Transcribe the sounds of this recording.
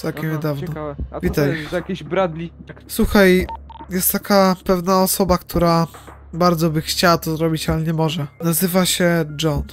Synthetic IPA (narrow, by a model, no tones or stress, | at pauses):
t̪ɛwkʲɛmɲɛd̪avnɔvʲit̪ajakʲebɾad̪lʲiswuxajjɛst̪ːakapɛvnaɔsɔbakt̪ʰuɾa | baɾd̪zɔbɘxt͡ɕawat̪ɔzɾɔbʲit͡ɕalɛɲɛmɔʐɛnazɘvaɕɛd͡ʐɔn